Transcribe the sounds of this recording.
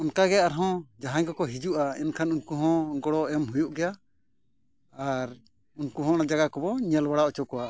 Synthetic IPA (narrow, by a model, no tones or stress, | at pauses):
ɔnkaɡɛaaɾɦɔ̃d͡ʒaɦãɲkɔkɔɦid͡ʒuʔaɛnkʰanunkuɦɔ̃ɡɔɽɔʔɛmɦujuʔɡɛja | aɾ | unkuɦɔ̃nad͡ʒaɡakɔbɔɲɛlbaɽaʔɔt͡ʃɔkɔwaʔ